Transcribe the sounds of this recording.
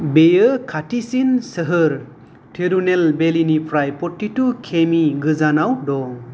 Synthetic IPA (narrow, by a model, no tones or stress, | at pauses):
bejəkʰatisinsəɦɯɾ | tʰiɾunelbelinipʰɾajpɔtːitukʰemiɡɯzanawdɔ